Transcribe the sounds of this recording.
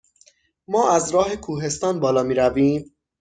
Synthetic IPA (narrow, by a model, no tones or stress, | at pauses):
mɒːʔæzɾɒːhe̞kʰuːɦe̞st̪ɒːnbɒːlɒːmiːɾæviːm